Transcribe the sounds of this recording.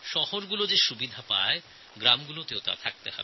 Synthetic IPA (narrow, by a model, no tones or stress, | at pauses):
ʃɔhoɾɡulod͡ʑeʃubid̪ʱapae | ɡɾamɡulot̪eot̪a̰t̪ʰak̚t̪ehɔ̰be